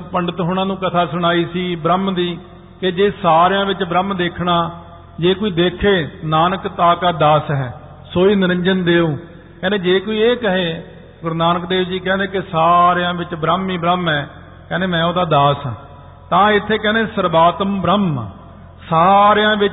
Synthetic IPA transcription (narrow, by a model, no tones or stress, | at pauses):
pəɳɖət̪ɦʊɳãːnũːkət̪ʰaːsʊɽ̃aːiːsiːbɾəmd̪iː | ked͡ʒeːsaːɾjãːʋɪt͡ʃbɾəmd̪eːkʰɳaː | d͡ʒeːkoːiːd̪eːkʰeːnaːnəkt̪aːkaːd̪aːsɦɛː | soːiːnɪɾə̃ɲd͡ʒənd̪eːoː | kɛ̃ːnd̪eːd͡ʒeːkoːiːeːkəɦeː | ɡʊɾnaːnəkd̪eːʋd͡ʒiːkɛ̃ːnd̪eːkɪsaːɾeãːʋɪt͡ʃbɾəmiːbɾəmɛː | kɛ̃ːneːmɛ̃ːoːd̪aːd̪aːs | t̪ãːɪt̪ʰːeːkɛ̃ːneːsəɾbaːt̪əmbɾəm | saːɾejãːʋɪ